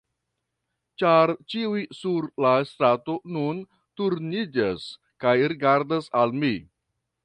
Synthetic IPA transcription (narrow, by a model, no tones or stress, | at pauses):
t͡ʃaɾt͡ʃiwisuɾlast̪ɾatonun | tuɾnid͡ʒas | kajɾiɡaɾdasalmi